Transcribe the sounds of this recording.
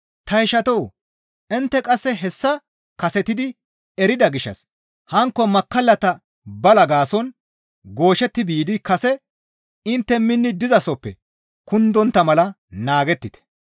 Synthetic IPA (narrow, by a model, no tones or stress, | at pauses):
t̪ɐjɪʃɐt̪ɔw | ʔɪnt̪ːɛkʼɐsːɛɦɛsːɐ | kɐsɛt̪ɪd̪ɪ | ɛɾɪd̪ɐɡɪʃːɐ̰s | hɐŋkːɔmɐkːɐlːɐt̪ɐ | bɐlɐɡaːsɔn | ɡo̞ːʃɛt̪ːɪbiːd̪ɪkɐsɛ | ɪnt̪ːɛmɪnːɪd̪ɪzɐsɔpːɛ̰ | kʊnd̪ɔnt̪ːɐmɐlɐ | naːɡɛt̪ːɪt̪ɛ̥